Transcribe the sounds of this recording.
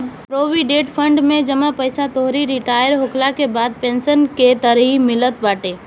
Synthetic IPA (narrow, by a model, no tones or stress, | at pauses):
pɾoːʋiɖeːʈpʰə̃ɳɖmẽd͡ʒəmapəɪsat̪oɦɾiɾɪʈaːjəɾɦoklakebaːd̪̚pẽːnsənket̪əɾɦimɪlət̪baːʈeː